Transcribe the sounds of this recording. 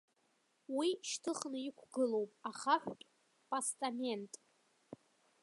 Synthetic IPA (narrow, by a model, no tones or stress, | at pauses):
wiʃtʰɨχnɨikʷʰɡɨlo̞wpʼaχaħᶣʷkʼ | pʼastʼame̞ntʼ